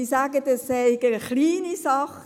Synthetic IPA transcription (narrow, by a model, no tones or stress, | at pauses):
isaːɡədəseɪɡəχliːnisɑχ